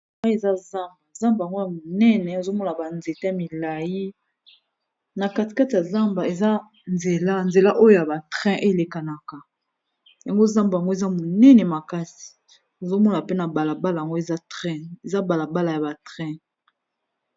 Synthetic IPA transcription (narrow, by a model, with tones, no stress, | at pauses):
a˦e˨za˦za˦mba˨za˦mbja˨ŋɡo˦ja˨mo˨nɛ˦nɛ˨o˨zo˦mɔ˦na˨ba˨nze˨ta˦˨mi˨la˨ji˦ | na˨ka˦ti̥˨ka˦ti˨ja˨za˦mba˨e˨za˦ | nze˨la˦nze˨la˦ʔo˦jo˦ja˨ba˨tʁɛ̃˦ʔe˦˨le˨ka˨na˨ka˨ | ja˨ŋɡo˦za˦mba˨a˨ŋɡo˦e˨za˦mo˨nɛ˦nɛ˨ma˨ka˦si̥˨ | o˨zo˦mɔ˦na˨pe˦na˨ba˨la˨ba˦la˨ja˨ŋɡo˦e˨za˦tʁɛ̃˦e˨za˦ba˨la˨ba˦la˨ja˨ba˨tʁɛ̃˦